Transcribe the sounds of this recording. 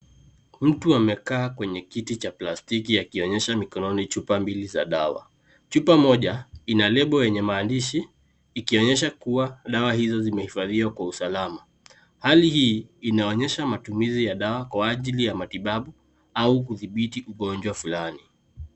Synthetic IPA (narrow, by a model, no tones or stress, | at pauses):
m̩tuamɛkaːkwɛɲɛkitit͡ʃaplastikiakiɔɲɛʃamikɔnɔnit͡ʃupambiliza̰ɗawa̰ | t͡ʃupamɔʄainalɛɓɔjɛɲɛmaːndiʃiː | kiɔɲɛʃ̬akuwaɗawahizɔzimɛhifaðiwakwausalama | halihiːnaɔɲɛʃamatumizijaɗawakwaːʄilijamatiɓaɓu | aukuθiɓitiʔuɠɔnd͡ʒwafulani